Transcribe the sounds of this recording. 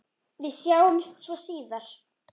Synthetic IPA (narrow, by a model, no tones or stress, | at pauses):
vɪðsjaːwʏmst̪svɔsiːðaɾ̥